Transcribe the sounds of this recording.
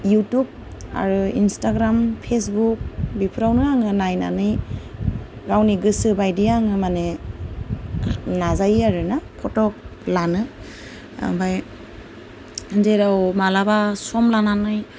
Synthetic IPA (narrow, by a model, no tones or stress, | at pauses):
jutub̚ | a̰ɾuinstaɡɾampʰesbuk̚bipʰɾawnɯaŋɯnajna̰nɯj | ɡawniɡɯsɯbajdiaŋɯmane | nazajaɾɯnapʰɔtɔk̚lanɯ | a̰baj | deɾawmalabasɔmlananɯj